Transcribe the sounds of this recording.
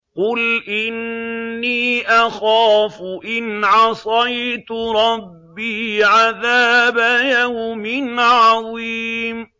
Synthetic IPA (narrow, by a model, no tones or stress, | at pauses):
qʊlʔɪnːiːʔaxaːfʊʔɪnʕɑsˤɑjt̪ɾˤɑbːiːʕaðaːbajahʊmɪnʕaðiːm